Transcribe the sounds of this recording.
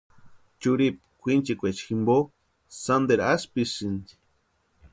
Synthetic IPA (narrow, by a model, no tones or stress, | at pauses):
t͡ʃuɾip̚kʷint͡ʃikʷet͡ʃximbo | sand̪eɾaspisind̪i̥